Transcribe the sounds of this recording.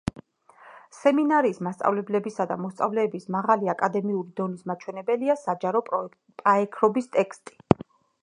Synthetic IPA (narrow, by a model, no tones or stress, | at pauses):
sɛminaɾiːsmast̪sʼa̰vlɛblɛbisad̪a̰mɔst̪sʼa̰vlɛːbismaʁaliakʼad̪ɛmiuɾid̪ɔnismat͡ʃʰwɛnɛbɛliasad͡ʒaɾɔpʼ | pʼaɛkʰɾɔbist̪ʼɛkʰst̪ʼi̥